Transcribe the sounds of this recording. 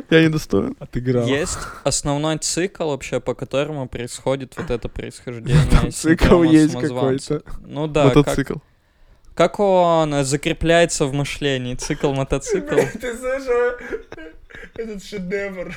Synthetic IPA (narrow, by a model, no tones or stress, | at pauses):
janʲɪd̪ɐst̪o̰jɪ̰nɐt̪ɨɡɾajesʲtʲɐsnɐvno̞jt̪sɨklˠvɐpɕːepəkɐt̪o̞ɾəmʊpɾəɪsxo̞dʲɪt̪vot̪ɛt̪əpɾə̰ɪsxɐʐdʲenʲɪəssɨklˠjesʲttʲmkɐzvaojj̪ənud̪amət̪ɐtksɨklˠ | kako̞nzəkɾʲɪplʲæjɪt̪səvmɨʂlʲenʲɪːt̪sɨklˠmət̪ɐt̪sɨklˠt̪ɨzaʂ | ɛt̪ət̪ʂɨd̪ʲevər